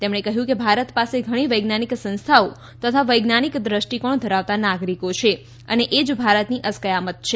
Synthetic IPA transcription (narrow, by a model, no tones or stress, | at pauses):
t̪emɳekəɦjũkebʱaɾət̪paseɡʱəɽ̃iʋəjɡnaniksə̃nst̪ʰao | t̪ət̪ʰaʋəjɡnanikd̪ɾəʃʈikəɳd̪ʱəɾaʋt̪anaɡɾikot͡ʃʰe | ə̰neʔed͡ʒbʱaɾət̪niʔəskəjamət̪̚t͡ʃʰe